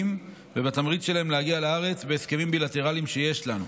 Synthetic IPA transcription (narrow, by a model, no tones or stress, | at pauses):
m | vebat̪amʁit͡sʃe̞lahe̞mlehaɡialaaʁet͡sbeːske̞mimbilat̪e̞ʁalimʃe̞je̞ʃlanu